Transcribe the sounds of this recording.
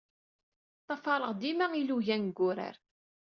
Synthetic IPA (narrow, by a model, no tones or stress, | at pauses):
t̪ˤːɑfɑɾˤəʁd̪imæiluʝænɡʷːʊɾə̰ɾ